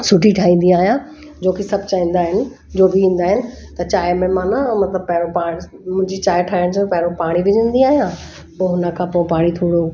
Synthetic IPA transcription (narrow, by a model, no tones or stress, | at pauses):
sʊʈʰiʈʰaːɦĩːn̆d̪iaːɦijã | d͡ʑoːkesɐbʱt͡ɕaːɦĩːn̆d̪aːɦɪnɪ̆ | d͡ʑoːbɪʋĩːn̆d̪aːɦɪnɪ̆ | t̪ɐt͡ɕaːɪmẽmaːnamɐt̪ləb̚pɐɦɪɽopaː | mʊ̃ɦɪ̃ɲd͡ʑit͡ɕaːɪʈʰaːɪəɽ̃d͡ʑõpɐɦɪɽ̃opaːɽ̃iʋɪd͡ʑə̃ːnd̪iaːɦijã | poɦʊnəkʰãpoɪ̃paːɽ̃it̪ʰoːɽo